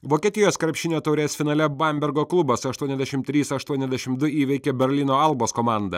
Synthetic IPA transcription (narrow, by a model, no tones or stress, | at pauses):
ʋoːkʲiɛt̪ʲɪjoːskɾɐpʲʃʲɪnʲoːt̪ɐʊɾʲeːsfʲɪnɑːlʲɛbɐmʲbʲɛɾɡoːklˠʊbɐsɐʃt̪uɔnʲɛzd̪ʲɛʃʲɪmt̪ʲɾʲiːsɐʃt̪uɔnʲɛzʲd̪ʲɛʃʲɪmd̪ʊiːʋʲɛɪkʲebʲɛɾʲlʲɪnoːɐlˠboːskɔmɑˑnd̪ɐ